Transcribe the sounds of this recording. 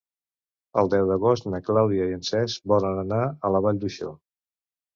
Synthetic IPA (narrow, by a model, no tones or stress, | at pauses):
ə̰lˠd̪ɛwðəɣost̪nəklawðiəiənsɛzbɔlənənaələβaʎd̪uʃo̰